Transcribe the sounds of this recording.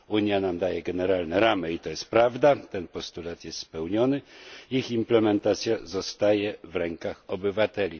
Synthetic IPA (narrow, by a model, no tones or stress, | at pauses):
uɲjanamd̪ajɛɡɛnɛɾalnɛɾamɘit̪ɔjɛst̪̚pɾavd̪at̪ɛnpɔst̪ulat̪jɛst̪spɛwɲɔnɘiximplɛmɛnt̪at̪sʲjazɔst̪ajɛvɾɛŋkaxɔbɘvat̪ɛlʲi